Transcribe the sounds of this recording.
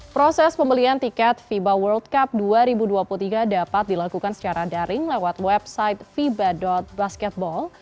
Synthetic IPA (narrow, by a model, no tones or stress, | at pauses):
pɾosɛspəmbəliant̪ikɛt̪̚fibawərld̪kap̚duaɾibuduapulut̪iɡadapat̪̚dilakukansə̥t͡ʃaɾadaɾʔɪŋlewat̪̚wɛbsaɪt̪̚fibadɔt̪̚baskɛt̪̚bɔl